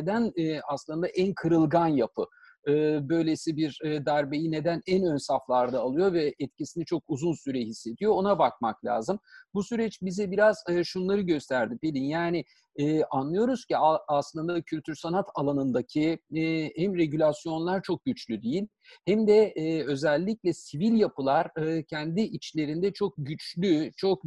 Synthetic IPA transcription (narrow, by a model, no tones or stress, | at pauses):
ed̪ænaslˠɯnd̪aʔænkʰɯɾɯlˠɡanjapʰɯ | ɯːbø̞jlʲesibiɾd̪æɾbe̞jine̞d̪ænænønsaflˠaɾd̪aːlˠɯjo̞vɛʔɛt̪̚cisinit͡ʃʰo̞kuzunsyɾɛɦisːe̞d̪ijo̞onabak̚maklʲa̰ːzɯmbusyɾɛt͡ʃbizɛbiɾaz̥ɯʃunlˠaɾɯɟø̞st̪ʰæɾd̪ibelʲinjaːnɪː | ʔanlˠɯjo̞ɾuz̥ciaaslˠɯnd̪acʰylʲt̪ʰyɾsanat̪ʰalˠanɯnd̪acʰihæmɾe̞ɟylʲasjo̞nlˠaɾt͡ʃʰo̞k̚ɟyt͡ʃlʲyd̪ejilʲ | hæmd̪ɛø̞zɛlʲːiclʲɛsivilʲjapɯlˠaɾ̥ɯːcʰænd̪iʔit͡ʃlʲe̞ɾind̪ɛt͡ʃʰo̞k̚ɟyt͡ʃlʲyt͡ʃʰo̞k̚